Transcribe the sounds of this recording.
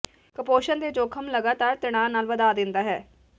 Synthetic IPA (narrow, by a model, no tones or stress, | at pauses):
kəpoːʃənd̪eːd͡ʒoːkʰəmləɡaːt̪aːɾt̪ɪɽ̃aːnaːlʋəd̪aːd̪ɪnd̪aːɦɛː